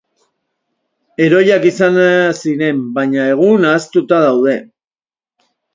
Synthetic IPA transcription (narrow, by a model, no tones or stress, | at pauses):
e̞ɾo̞jakisanasiɾe̞mbaɲae̞ɣ̞unaːst̪ut̪aðawð̞e̞